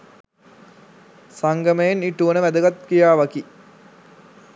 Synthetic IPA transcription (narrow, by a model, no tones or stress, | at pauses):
saŋɡɐmɐjeniʈːuʋɐnəʋæd̪əɡɐt̪kijaːʋɐki